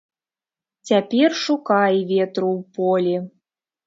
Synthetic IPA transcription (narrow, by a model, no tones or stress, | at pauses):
t͡sʲapʲɛrʂukajvʲɛt̪ɾuwpɔlʲi